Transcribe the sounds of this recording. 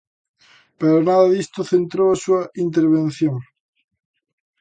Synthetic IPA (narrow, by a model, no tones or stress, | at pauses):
peɾonaðɐðist̪oθent̪ɾoasuɐʔint̪eɾβẽnθjõŋ